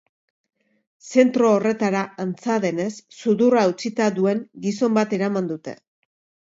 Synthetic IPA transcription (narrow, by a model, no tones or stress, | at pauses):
se̞nt̪ɾo̞ːre̞t̪aɾaant͡saðe̞ne̞sːuðuraut͡sit̪aðue̞ŋɡiso̞mbat̪e̞ɾamand̪ut̪e̞̰